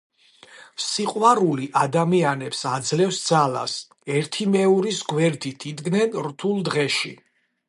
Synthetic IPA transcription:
siqʼwaɾuliʔad̪amianɛpsad̪zlɛfsd̪zala̰s | ɛɾt̪ʰimɛuɾisɡwɛɾd̪it̪ʰid̪ɡnɛnɾt̪ʰulˠd̪ʁɛʃḭ

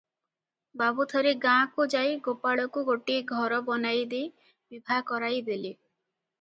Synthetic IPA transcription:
babut̪ʰɔɾeɡãkud͡ʒajɡopaɭɔkuɡoʈiɡʱɔɾɔbɔnajd̪e | bibʱakɔɾajd̪ele

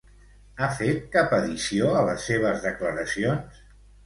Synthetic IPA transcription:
afet̪̚kapəðisioələsːeβ̞əzðəkləɾəsions

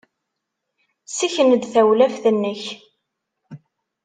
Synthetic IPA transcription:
siçənəd̪θæwlæfθənːəç

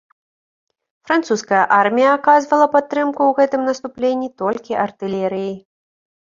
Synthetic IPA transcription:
fɾant̪suskɐjɐʔarmʲijɐakazvɐlˠɐpat̪ːɾɨmkuwɣɛt̪ɨmnɐst̪uplʲenʲːit̪ɔlʲkʲiʔɐrt̪ɨlʲɛɾɨjej

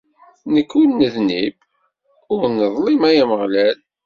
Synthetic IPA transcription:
nəkːulnəðnib | ʊɾnəðˤlimæjæməʁlæl

